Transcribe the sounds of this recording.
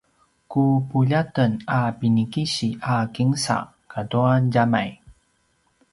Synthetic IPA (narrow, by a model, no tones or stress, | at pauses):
kupuʎatənapinikiɕiʔakiŋsa̰ | kaduanɟamaj